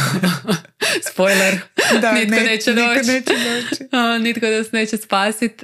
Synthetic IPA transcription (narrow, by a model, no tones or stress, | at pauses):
spojleɾnit̪̚konet͡ʃɛd̪oːt͡ʃet͡ʃed̪oːnit̪kod̪asneːt͡ɕespaːsit̪